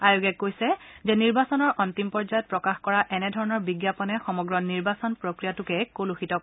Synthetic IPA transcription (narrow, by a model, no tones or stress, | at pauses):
ajoɡɛkːojsɛzɛniɹbasɔnɔɹʔɔntimpɔɹzajɔt̚pɹɔkaxkɔɹaʔɛnɛdʱɔɹɔnɔɹbiɡjapɔnɛxɔmɔɡɹɔniɹbasɔnpɹokɹijatʊkɛkoluxitɔk